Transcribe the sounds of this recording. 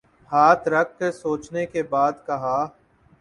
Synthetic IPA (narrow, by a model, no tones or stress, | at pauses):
haːt̪ɾɐk̚ʰksoːt͡ʃnekebaːd̪kɐɦaː